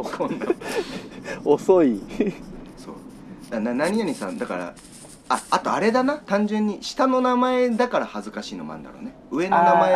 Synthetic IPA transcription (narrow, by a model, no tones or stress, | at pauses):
okʰõnːa | osoi | so̞̰ː | d̪ananaɲ̟ijaɲ̟isã̰nd̪akaɾa̰ | aat̪o̞aɾe̞d̪anat̪ãɲ̟d͡ʑẽɲ̟ːiɕi̥t̪ano̞namae̞d̪akaɾahazɨkaɕiːno̞mã̰nd̪a̰ɾo̞̰ːneɯ̟e̞nonamae